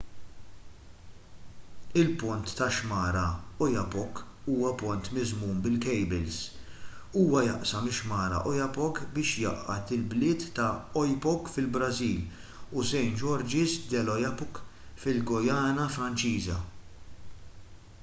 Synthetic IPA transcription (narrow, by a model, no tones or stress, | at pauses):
ɪlpʊnt̪ːɐʃmɐːɾɐɔjɐpɔkː | uːwɐpʊnt̪mɪzmuːmbɪlkɛjbɪls | uːwɐjɐʔsɐmɪʃmɐːɾɐ̰ʔɔjɐpɔkbɪːʃjɐ̰ʔːɐ̰t̪ɪlblɪːt̪ːɐɔjpɔkfɪlbɾɐziːl | usɛjnd͡ʒɔɾd͡ʒɪsd̪ɛlɔjɐpɔkfɪlɡɔjɐːnɐfɾɐnt͡ʃiːzɐ̰